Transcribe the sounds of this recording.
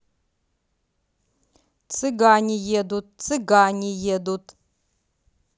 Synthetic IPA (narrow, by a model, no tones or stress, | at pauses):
t͡sʰɨɡaːnʲijed̪ut̚ʼt͡sʰɨɡaːɲʲijed̪utʼ